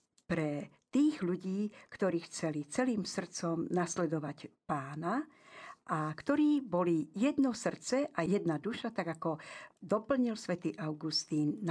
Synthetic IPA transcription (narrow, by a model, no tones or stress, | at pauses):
pɾɛt̪iːɣʎuɟiːkt̪ɔɾiːxt͡sɛlit͡sɛliːmsr̩t͡sɔmnaslɛd̪ɔʋacpaːna | ʔakt̪ɔɾiːbɔlijɛd̪nɔsr̩t͡sɛʔajɛd̪nad̪uʃat̪aɡakɔd̪ɔpl̩ɲilsʋɛt̪iːʔaʊɡust̪iːnː